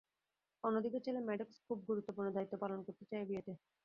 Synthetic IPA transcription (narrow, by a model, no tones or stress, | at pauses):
onːod̪iket͡ɕelemɛɖokskʰub̚ɡuɾut̪ːopuɾnod̪ait̪ːopalonkoɾt̪et͡ɕaebieʈe